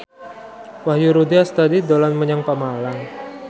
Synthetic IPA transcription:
wahjuɾudiast̪adid̪olanməɲaŋpamalaŋ

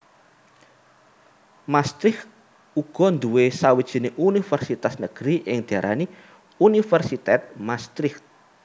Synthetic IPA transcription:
mast̪ɾɪx | uɡ̥ɔ̤nd̪uwesawid̥ʒ̥i̤neʔunifɛrsit̪asnəɡ̥ɾiʔɪŋd̪̥iaɾʔa̰ni | unifɛrsit̪ɛt̪̚mast̪ɾɪft̪̚

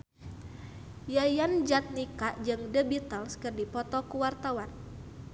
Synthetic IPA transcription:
jajand͡ʒat̪̚nikaʔd͡ʒɨŋdəbit̪əlskɨrdipɔt̪ɔkuwart̪awan

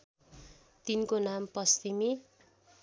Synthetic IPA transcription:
t̪inkonampʌst̪imi

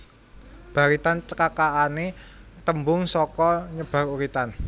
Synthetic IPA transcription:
b̥a̤ɾit̪ant͡ʃəkakaanet̪əmbʊŋsɔkɔɲəb̥a̤ɾuɾit̪an

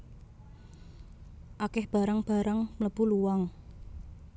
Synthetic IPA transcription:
ʔakɪhb̥a̤ɾəŋb̥a̤ɾəŋmələb̥uluwaŋ

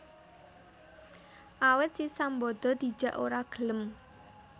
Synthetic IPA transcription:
ʔawɪt̪̚sisambɔd̪̥ɔ̤d̪̥i̤̥ʒ̥ä̤ʔoɾaɡ̥ələm

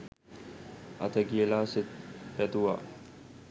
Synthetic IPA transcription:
ɐ̰t̪əɡiəlaːset̪pɛt̪uʋa̰

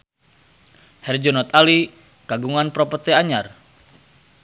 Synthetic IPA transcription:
hɛrd͡ʒɔnɔt̪ali | kaɡuŋanpɾɔpɔt̪ɛaɲar

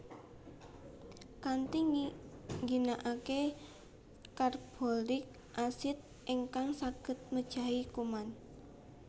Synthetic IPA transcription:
kant̪i | ŋɡinaʔake | karb̥o̤lɪk̚ | ʔasɪt̪̚ʔiŋkaŋsaɡ̥ə̤t̪̚məd̥ʒ̥a̤ikuman

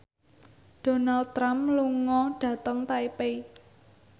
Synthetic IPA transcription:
d̥o̤nald̪̚t̪ːɾampluŋɔɖ̥ä̤t̪əŋt̪aipe

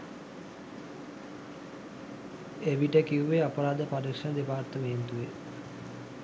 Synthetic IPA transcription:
eʋiʈəkiuʋeapəɾaːd̪əpaɾikʂɐnəd̪epaːrt̪əmeːnt̪uʋe

